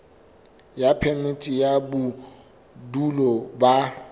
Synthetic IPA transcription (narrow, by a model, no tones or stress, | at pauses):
japʰɛmitʼijabu | dulɔba